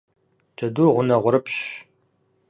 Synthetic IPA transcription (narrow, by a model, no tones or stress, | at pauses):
t͡ʃʰʼɐdurʁʷʊnɐʁʷʊɾɨpʰɕ